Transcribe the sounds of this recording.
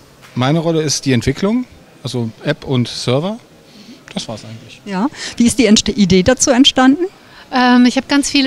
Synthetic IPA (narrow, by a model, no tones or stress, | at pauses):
maɪnəʁɔləɪstd̥iːɛntv̥ɪkʰlʊŋ | ʔalzoʔɛpʰʊntsœɐvɐ | d̥asv̥aːɐsʔaɪɡŋ̩tlɪçjaːviːɪstd̥iːʔideːdat͡suːɛntʃtandn̩ | ʔɛːmɪçhaːbəɡ̥ant͡sfiːl